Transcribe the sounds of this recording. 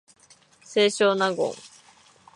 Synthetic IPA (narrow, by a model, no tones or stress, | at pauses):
seɕonaɡʊ̰ŋ